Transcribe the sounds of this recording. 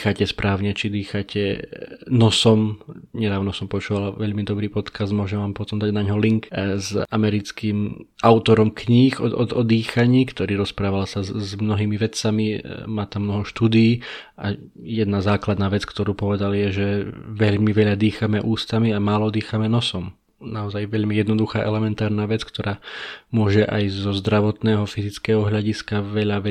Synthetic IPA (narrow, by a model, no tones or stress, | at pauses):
xacɛspɾaːʊɲɛt͡ʃid̪iːxacɛnɔsɔmɲɛd̪aːʊnɔsɔmpɔt͡ʃuːʋalaʋɛʎmid̪ɔbɾiːpɔt̪kazd̪mʊɔʒɛmʋaːmpɔt̪ɔmd̪aɟnaɲɦɔliŋkzamɛɾit͡skimʔaʊt̪ɔɾɔmkɲiːxɔ̰ɔ̰d̪iːxaɲiːkt̪ɔɾiːɾɔspɾaːʋalsazmnɔɦiːmiʋɛt͡samimaːt̪amːnɔɦɔʃt̪uːd̪iiː | a̰ | jɛd̪nazaːklad̪naːʋɛt͡skt̪ɔɾuːpɔʋɛd̪aljɛʒɛʋɛʎmiʋɛʎad̪iːxamɛʔuːst̪amiamaːlɔd̪iːxamɛnɔsɔm | naɔzajʋɛʎmijɛd̪nɔd̪uxaːʔɛlɛmɛnt̪aːɾnaːʋɛt͡skt̪ɔɾaːmʊɔʒɛʔajzɔzd̪ɾaʋɔt̪nɛːɦɔfizit͡skɛːɦɔɦʎaɟiskaʋɛʎaʋɛ